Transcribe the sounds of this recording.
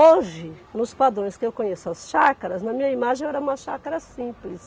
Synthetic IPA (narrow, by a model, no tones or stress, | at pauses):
oʒɪ | nʊspad̪ɾõj̃skɪewkõɲesʊɐsʃakɐɾɐznɐmĩɲɐimaʒẽj̃ɛɾɐũmɐʃakɐɾɐsĩplɪs